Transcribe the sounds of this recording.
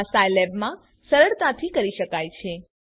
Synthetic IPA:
sajlɛbmã | səɾəɽt̪ãt̪ʰikəɾiʃəkajt͡ʃʰe

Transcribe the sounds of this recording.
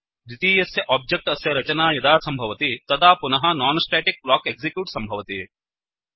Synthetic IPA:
d̪it̪iːjɐsjɐʔaːb̚d͡ʒek̚ʈɐsjɐɾɐt͡ʃɐnaːjɐd̪aːsɐmbʱɐʋɐt̪it̪ɐt̪ʰaːpunɐɦɐ̆naːnsʈɾɛːʈik̚blɔːkeɡzikjuːʈsɐmbʱɐʋɐt̪i

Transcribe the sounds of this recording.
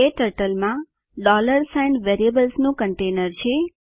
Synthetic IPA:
eʈəɾʈəlmã | ɖɔləɾsajnʋeɾiəbəlsnũkəɳʈenəɾt͡ʃʰe

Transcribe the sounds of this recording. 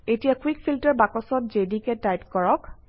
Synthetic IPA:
etijakwikfʰiltɛɹbakɔsɔt̚zedikɛtajtkɔɹɔk

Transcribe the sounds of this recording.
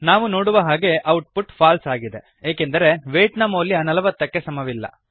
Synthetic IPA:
naːʋuno̞ːɽuʋɐɦaːɡe̞ʔɐwʈ̚puʈpʰaːlsaːɡid̪e̞ | eːkend̪ɐɾe̞ʋeːʈnɐmoːlːiaːnɐlɐʋɐt̪ːɐkːe̞sɐmɐʋilːɐ̰

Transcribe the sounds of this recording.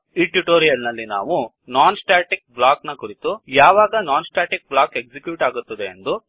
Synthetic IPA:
iʈuʈoːɾijɐlnɐlːina̰ːʋu | naːnsʈaːʈik̚blaːknɐkuɾit̪ujaːʋaːɡɐnaːnsʈaːʈik̚blaːke̞ɡsikjuːʈaːɡut̪ːɐd̪eːnd̪u

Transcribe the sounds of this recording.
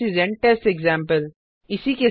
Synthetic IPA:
izɛ̃ɳʈɛsʈeɡzãːmpəl | ɪsike

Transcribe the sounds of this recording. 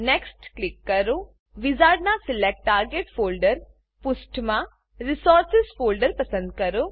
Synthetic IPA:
neːksʈklikːɐɾo | ʋizaːɾɖnasɪlek̚ʈːaːɾɡeːʈfʰoːlɖəɾ | pʊsʈmã | ɾisɔːɾsɪzfoːlɖəɾpɐsə̃nd̪̚kɐɾo

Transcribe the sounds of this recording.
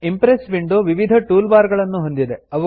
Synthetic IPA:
impɾesʋiɳɖoʋiʋid̪ʱɐʈuːlbaːɾɡɐɭɐnːuɦond̪id̪eɐʋɐ

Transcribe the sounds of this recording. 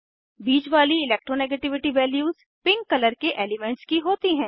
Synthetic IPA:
biːd͡ʒʋaːliɪleːk̚ʈɾoneːɡeːʈɪʋɪʈiʋɛːljuːz̥ | pɪ̃ŋkːɐləɾkeʔeːlɪmɛ̃ɳʈskiɦoːt̪iɦɛ̃ː

